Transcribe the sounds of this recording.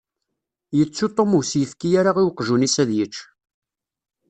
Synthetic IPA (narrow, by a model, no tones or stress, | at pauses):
jət͡sːut̪ˤːomusjəfkijaɾaʁiwqʒunisæðjət͡ʃː